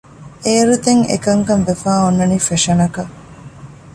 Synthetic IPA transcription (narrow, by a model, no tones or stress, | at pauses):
ʔeːɾut̪eŋḛkɐŋkɐmʋefaːonːɐnifeʃɐnɐkɐ